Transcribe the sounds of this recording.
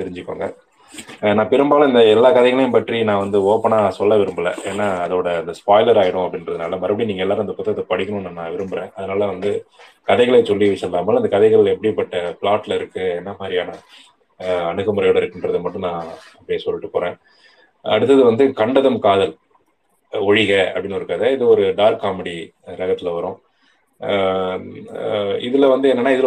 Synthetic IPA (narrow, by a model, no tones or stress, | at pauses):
t̪ɪɾɪɲd͡ʒɪkːo̰ːŋɡɐ̰ | nãːpɪɾɯmbaːlɐɪnd̪ɐɛlːaːkɐðɐɪɣɐɭejmpɐʈrinãːʋɐnd̪ɯoːpːɐɳaːsɔlːɐʋɪɾɯmbɯlɐ̰ʔeːnːaːɐðoːɽɐɪnd̪ɐspaːɪlɐɾaːɣɪɽʊ̃ɐpːɐɽɪnɾɐðɯnaːlɐmɐɾɐpɐɽiniːŋɐɛlːaːɾɯ̃nd̪ɐpʊt̪ːɐt̪ːɐpɐɽɪkːɐnɯ̃nːɯnãːʋɪɾɯmbɯɾẽːʔɐðɯnaːlɐʋɐnd̪ɯkɐðɛɪɣɐɭeːsɔlːiʋɪʂɐlːaːmaːlɐɪnd̪ɐkɐðɛɪɣɐɭɛpːɐɽipːɐʈːɐpɭaːʈlɐɪɾɯkːɯɛnːɐmaːd̪ɾɪjaːnɐ | ɐɳɯɣɐmɯɾɐjoːɽɐɪɾɯkːɪndrɐðɯmɐʈːɯ̃nãːɐpːɐɽɪjɐsɔlːɪʈːɯpoːɾẽː | ɐ̰ɽɯt̪ːɐðɯʋɐnd̪ɯkɐɳɖɐðɐmkaːðɐl | ɔɻɪɣɐɐ̰pɐɽɪnɐɾɯkːaːðɐɪðɯɔɾɯɖaːɾkːaːmɐɽi | ɾɐɣɐt̪ːɪlɐʋɐɾʊ̃ː | ɪðɯlɐʋɐnd̪ɯɛnːɐnːaːɪðɯl